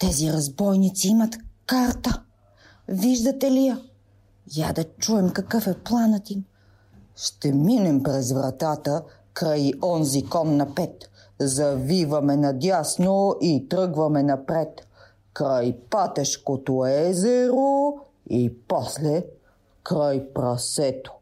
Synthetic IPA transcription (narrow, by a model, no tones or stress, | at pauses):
t̪ɛziɾɐzbɔjnit̪siimɐt̪kaɾt̪ə | viʒd̪ɐt̪ɛlijə | ja̰d̪ɐt͡ʃuɛmkɐkɤfɛplˠanət̪im | ʃt̪ɛminɛmpɾɛzvɾɐt̪at̪ə | kɾajɔnzikɔnːɐpɛt̪ | zɐvivɐmɛnɐd̪ʲjasnoʔit̪ɾɤɡvɐmɛnɐpɾɛt̪ | kɾajpat̪ɛʃkot̪oɛzɛɾo | ipɔslɛ | kɾajpɾɐsɛt̪o̥